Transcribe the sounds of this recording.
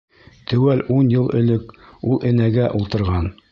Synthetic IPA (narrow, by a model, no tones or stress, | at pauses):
t̪ɵ̆wælunjɤlˠɵ̆lɵkulˠɘ̆næɡæʔulˠt̪ɤ̆ɾʁɑn